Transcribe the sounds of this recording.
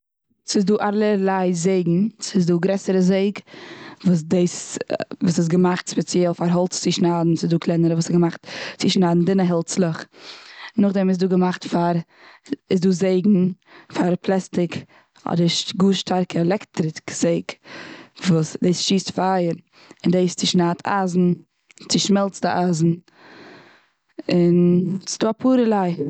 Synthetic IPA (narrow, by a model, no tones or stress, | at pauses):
sɪsduːʔaɾlˠəlˠaɪzeɪɡŋ̩sɪsduːɡɾɛsəɾəzeɪɡvuːs̬deɪsvuːsɪs̬ɡəmaχtspɛt͡sjɛlˠfaɾɦɔlˠt͡st͡sɪʃnaːdn̩sɪsduːkʰlˠɛnəɾəvuːsɛɡəmaχtt͡sɪʃnaːdn̩dɪnəɦɛlˠt͡slˠəχ | nʊχdɛmɪs̬duːɡəmaχtfaɾ | ɪsduːzeɪɡŋ̩ | faɾplˠɛstɪk | ɔ̰dəɾʃɡuːʃtʰaɾkʰəɛlɛktɾɪkz̥eɪk | vuːsdeɪsʃiːstfajəɾ | ɪndeɪst͡sɪʃnaːtʰa̰ːzn̩ | t͡sɪʃmɛlˠt͡sdɪʔaːzn̩ | ɪnsɪ̥duːapʰuːɾəlˠaɪ